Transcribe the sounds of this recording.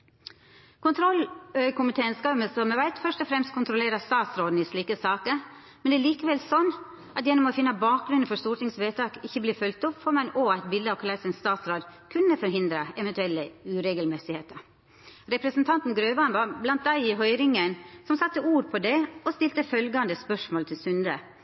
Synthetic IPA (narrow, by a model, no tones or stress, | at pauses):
kʰʊnt̪ʰɾɔlːœʏkʊmɪt̪ʰeːnskɑːməsɔmɛʋæɪt̪fœʂʈɔfɾɛmst̪kʰʊnt̪ɾʊleːɾəst̪ɑːt̪sɾoːd̪n̩ɪʂɭiːkəsɑːkəɾ | mɛnɛːɭiːkəʋɛlsɔnː | ʔɑt̪jɛnːɔmɔfɪnːəbɑːk̚ɡɾʉnn̩fɔʂt̪uːɾʈ̪ɪŋsʋeːt̪ʰɑːkɪçːəbliːɾfœlk̚t̪ʊpːfɔɾmɛnoæɪt̪̚bɪld̪əɑʋkʰlɑsɪnst̪ɑːt̪sɾoːd̪kʰʉnːəfɔɾɦɪnd̪ɾəɛʋɛnt̪ʉɛlːəʉɾeːɡəlmɛsɪheːt̪əɾ | ɾɛpɾəsənt̪ʰɑnt̪n̩ɡɾøːʋɑnʋɑɾblɑnt̪̚d̪æɪɪɦœʏɾɪŋənsɔmsɑt̪ːəuːɾpʰɔd̪ɛɔst̪ɪlt̪əfœlɡɑnd̪əspœʂmoːlt̪ʰɪlsʉnd̪ə